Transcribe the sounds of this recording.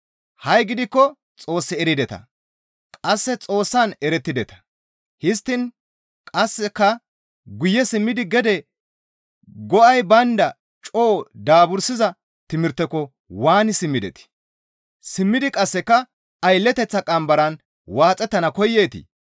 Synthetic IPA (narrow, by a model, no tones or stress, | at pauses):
hɐjɡɪd̪ɪkːɔ | t͡sʼo̞ːsːɪɛɾɪd̪ɛt̪ɐ̰ | kʼɐsːɛt͡sʼo̞ːsːanɛɾɛt̪ːɪd̪ɛt̪ɐ̥ | hɪst̪ːɪn | kʼɐsːɛkːɐ | ɡʊjːɛsɪmːɪd̪ɪɡɛd̪ɛ | ɡɔɐjbɐnd̪ɐ | t͡ʃʼoːd̪aːbʊɾsɪzɐ | t̪ɪmɪɾt̪ːɛkːɔ | waːnɪsɪmːɪd̪ɛ̰t̪ɪ̥ | sɪmːɪd̪ɪkʼɐsːɛkːɐ | ɐjlːɛt̪ɛt͡sːɐkʼɐmbɐɾɐn | waːt͡sʼɛt̪ːɐnɐkɔjːeːt̪ɪ̰